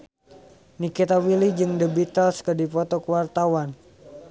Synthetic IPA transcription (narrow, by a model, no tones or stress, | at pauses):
nikit̪awilid͡ʒɨŋdəbit̪alskədipɔt̪ɔkəwart̪awan